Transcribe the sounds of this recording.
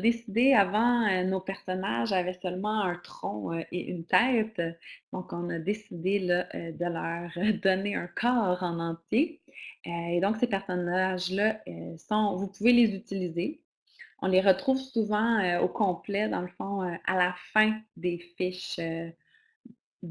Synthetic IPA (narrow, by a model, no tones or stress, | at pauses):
d̪esid̪eavɑ̃ønopɛʁsɔna̰ʒavɛsœlmɑ̃ɛ̃t̪χɔ̃øʔḛʔy̰nt̪ɛːt̪d̪̥ɔ̃kɔ̃nad̪esid̪elʌʔød̪əlœːʁd̪ɔneɛ̰̃kʰɑːʁɑ̃nɑ̃t͡sjeøed̪ɔ̃ksepɛʁsɔnaʒlʌøsɑ̃vupuvelezyt̪ilize | ɔ̰̃leʁət̪χuvsuvɑ̃øokɔ̃plɛd̪ɑ̃ləfɔ̃øa̰lafɛ̃d̪efɪʃø